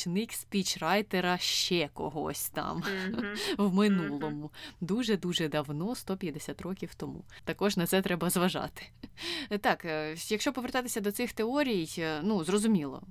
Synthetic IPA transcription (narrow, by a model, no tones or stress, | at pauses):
nɪkspʲit͡ʃrɑjt̪eɾɐʃt͡ʃɛkɔɦɔ̰sʲt̪ɑ̰m | wmɪnulˠɔmʊd̪uʒɛd̪uʒɛd̪ɐwnɔst̪ɔpʲjɐd̪esʲat̪rɔkʲiwt̪ɔmṵ | t̪ɐkɔʒnɐt̪sɛt̪ɾɛbɐzʋɐʒɑ̰t̪ɪ̥ | t̪ɑkjɐkʃt͡ʃɔpɔʋert̪ɑt̪ɪsʲɐd̪ɔt̪sɪxt̪eɔɾʲijjnuzrɔzʊmʲilˠɔ̰